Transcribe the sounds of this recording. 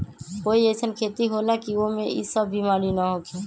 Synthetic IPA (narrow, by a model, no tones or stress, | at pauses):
koiesənkʰeːt̪iɦolakiomẽḭsəbːimaːɾinaɦokʰe